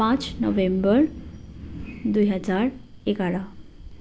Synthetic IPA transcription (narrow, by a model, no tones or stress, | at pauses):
ãt͡snəʋẽmbəɾ | d̪ujɦəd͡zaɾekaɽa